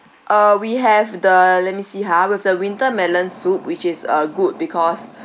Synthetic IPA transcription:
ʔʌwiɦɛvdəlɛt̚misiɦawiɛvdəwĩntəmɛlə̃nsup̚wit͡ʃɪsəɡud̚bikʰɔs

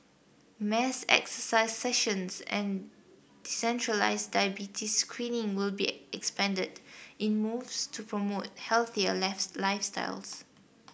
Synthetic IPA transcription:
mɛsɛ̰ksəsaɪsːɛʃə̃nsɛ̰̃n | disɛ̃ntʰɹəla̰ɪsdajəbitʰiskʰɹĩnɪ̃ŋwɪlbḭɛkspɛ̃ndədɪ̃nmuvstʰupʰɹɔmot̚hɛlθiəlaɪfsta̰ɪls

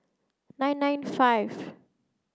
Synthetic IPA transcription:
nãj̃nːãjnfajv

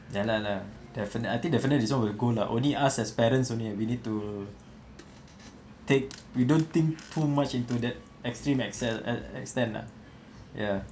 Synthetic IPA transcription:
jalaladɛfənəajt̪ĩŋkdɛfənədiswɔ̃nwilɡolaʔõ̰nliʔasɛspɛɾə̃nsõnliawinid̚tu | tek̚widõnt̪ĩŋktʰumat͡ʃĩntudɛt̚ | ɛkstɹĩmɛksɛɛ̰ɛ̰kstɛ̃nla̰ | ja

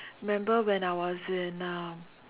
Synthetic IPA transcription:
mẽmbawenawɔzɪna

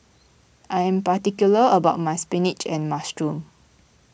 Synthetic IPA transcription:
ʔajɛ̃mpatikjuləəbaʊt̚majspɛ̃nit͡ʃɛ̃nmastɹũm

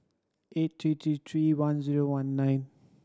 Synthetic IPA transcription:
et̚t̪ʰɾit̪ʰit̪ʰɹiwanziɾowãnːajn

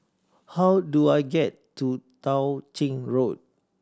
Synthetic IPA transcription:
hawduajɡɛtː | utãwt͡ʃĩŋɹot̚

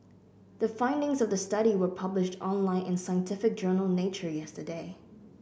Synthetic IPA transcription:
ðəfãɪ̃ndɪ̃ŋzʌvðəstʌɾiwə˞pʰʌblɪʃtʰɔ̰̃nlãɪ̃nɪ̃nsãɪə̃ntʰɪfɪk̚d̥d͡ʒ̥ɜ˞nəl̩ˠneɪt͡ʃə˞jɛstə˞deɪ

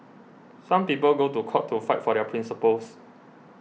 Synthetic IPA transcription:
sãmpipəlɡotukʰɔʔtʰːufaɪt̚fɔɾɛəpʰɹĩnsipəls

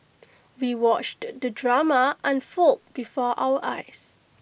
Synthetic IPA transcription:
wiwɔt͡ʃtdədɹaməʔə̃nfɔlt̚b̥ifɔʔa̰wəʔa̰ɪs

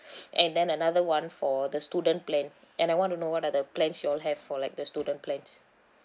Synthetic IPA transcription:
ʔɛ̃ndɛ̃nənaðəwãnfɔdəstudə̃nplɛ̃n | ʔɛ̃najwɔ̃ntunowɔtadəplɛ̃nsjuɔlɦɛvfɔlaɪjk̚dəstudə̃nplɛ̃ns

